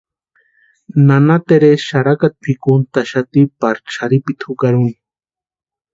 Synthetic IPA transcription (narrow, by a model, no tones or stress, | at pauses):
nanat̪eɾeʃaɾakat̪̚pʰikunt̪aʃat̪ipaɾt͡ʃʰaɾipit̪ʰukaɾuni̥